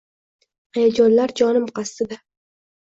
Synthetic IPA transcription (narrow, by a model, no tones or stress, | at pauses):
ajad͡ʒɒnlaɾd͡ʒɒnɪmqʰɑst̪ɪd̪a